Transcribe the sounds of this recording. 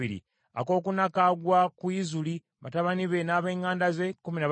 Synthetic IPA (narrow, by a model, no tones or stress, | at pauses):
iɾḭ | ako̞ːkunakaɡwakwizuli | βataβaniβe̞naːβe̞ːŋaːndaze̞kuminaβ